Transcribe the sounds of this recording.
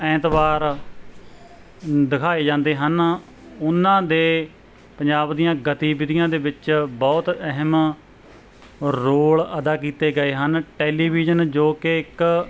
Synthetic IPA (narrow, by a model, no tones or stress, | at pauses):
ɛ̃ːt̪ʋaːɾ | d̪ɪkʰaːeːd͡ʒãːnd̪eːɦən | ʊnːãːd̪eː | pəɲd͡ʒaːbd̪ijãːɡət̪iːbɪd̪ɪjãːd̪eːbɪt͡ʃbɔːt̪ɛɦəm | ɾoːləd̪aːkiːt̪eːɡəeːɦənʈɛːliːbiːd͡ʒənd͡ʒoːkɪɪk